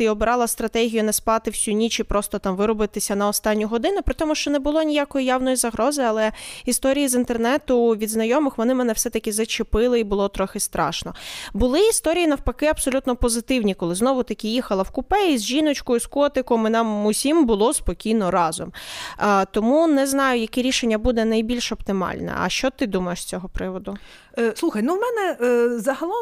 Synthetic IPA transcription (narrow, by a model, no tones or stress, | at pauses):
iɔbɾɑlˠɐst̪ɾɐt̪ɛɦʲijʊnɛspɑt̪ɪwsʲunʲit͡ʃɪpɾɔst̪ɔt̪ɑmʋɪɾɔbɪt̪ɪsʲɐnɐɔst̪ɑnʲːʊɦɔd̪ɪnʊpɾɪt̪ɔmʊʃt͡ʃɔnɛbʊlˠɔnʲijakɔjijawnɔjizɐɦɾɔzɪɐlˠɛist̪ɔɾʲijizint̪ernɛt̪ʊʋʲid̪znɐjɔmɪxʋɔnɪmɛnɛwsɛt̪ɐkʲɪzɐt͡ʃɪpɪlˠɪibʊlˠɔt̪ɾɔxɪst̪ɾʔɑ̰ʃnɔbʊlˠɪist̪ɔɾʲijinɐwpɐkɪɐpsɔlʲut̪nɔpɔzɪt̪ɪwnʲikɔlˠɪznɔʋʊt̪ɐkʲɪjixɐlˠɐwkʊpɛizʲʒinɔt͡ʃkɔjʊskɔt̪ɪkɔmɪnɑmʊsʲimbʊlˠɔspɔkʲijnɔɾɑzɔm | t̪ɔmunɛznɑjʊjɐkɛɾʲiʃenʲːɐbud̪ɛnɐjbʲilʲʃɔp̚t̪ɪmɑ̰lʲnɛ̰ɐ̰ʃt͡ʃɔt̪ɪd̪umɐjeʃsʲt͡sʲɔɦɔpɾɪʋɔd̪ʊ | slˠuxɐjnuwmɛnɛzɐɦɐlˠɔ